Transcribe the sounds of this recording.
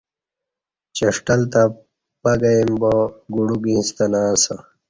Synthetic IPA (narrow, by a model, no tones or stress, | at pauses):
t͡ɕɐʂʈɐlt̪a | pɐɡɐimboɡuɽuɡĩnst̪ɐnaːsa